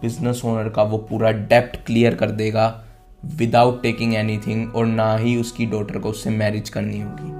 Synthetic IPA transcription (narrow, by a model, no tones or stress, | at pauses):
b̥ɪznəsoːnəɾkaʋopuːɾaɖɛːp̚ʈkliːjəɾkɐɾd̪eːɡa | ʋɪd̪aːʊʈːeːkɪ̃ŋɡɛːnit̪ʰɪ̃ŋɡɔːɾnaɦiʊskiɖɔːʈəɾkoʊsːemɛːɾɪd͡ʒkɐɾniɦoːɡiː